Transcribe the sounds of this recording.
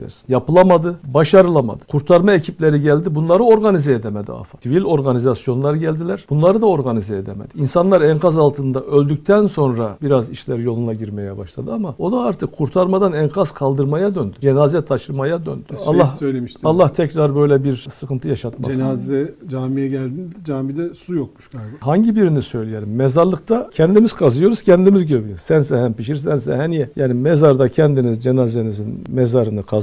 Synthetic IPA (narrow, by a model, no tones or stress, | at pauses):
æ̰ɾsi̥njapɯlˠamad̪ɯbaʃaɾɯlˠama̰d̪ɯ̥kʰuɾt̪ʰaɾmaecʰiplʲeɾiɟælʲd̪ibunlˠaɾɯo̞ɾɡanizɛed̪ɛmɛd̪ḭa̰fasivilʲo̞ɾɡanizasjo̞nlˠaɾɯɟælʲd̪ilʲæɾ̥b̥unlˠaɾɯd̪ao̞ɾɡanizɛed̪ɛmɛ̰d̪̥iinsanlˠaɾɛnkʰazalˠt̪ʰɯnd̪aʔølʲd̪ycʲt̪ʰænso̞nɾabiɾaziʃlʲæɾjo̞lˠunaɟiɾmɛjɛbaʃlˠa̰d̪ɯamao̞d̪aaɾt̪ʰɯkʰːuɾt̪ʰaɾmad̪anɛnkʰazkʰalˠd̪ɯɾmajad̪ønd̪yd͡ʒenazɛt̪ʰaʃlˠɯmajad̪ø̰nd̪̥yalˠːasøjlʲemiʃt̪alˠːaht̪ʰɛcɾaɾbø̞jlʲɛbiɾsɯkɯnt̪ʰɯjaʃat̪̚ma̰d͡ʒeazɛd͡ʒaːmijɛɟælʲd̪ind̪ɛd͡ʒaːmid̪ɛsujok̚muʃkʰajɡhaɲɟibiɾinisø̞jlʲijelʲimːɛzaɾlˠɯk̚t̪ʰacʰɛnd̪imiz̥kʰazɯjo̞ɾuz̥cʰɛnd̪imizɟøbijøɾzsænsɛɦæmpiʃiɾs̬ænsɛhɛnijɛjaːnimezaɾd̪acʰɛnd̪inizd͡ʒenazenizinmɛzaɾɯnɯkʰa